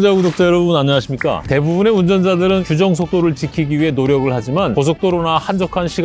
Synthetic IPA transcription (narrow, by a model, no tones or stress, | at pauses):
d͡ʑaɡudok̚t͡ɕ͈ajʌɾʌbunaɲʌnaɕʰimɲik͈a̰te̞bubune̞und͡ʑʌnd͡ʑadɯɾɯnt͡ɕud͡ʑʌŋsʰok̚t͈oɾɯɭt͡ɕikʰiɡiɥiɦe̞noɾjʌɡɯɭhad͡ʑimankos̬ʰok̚t͈oɾonahand͡ʑʌkʰanɕʰiɡ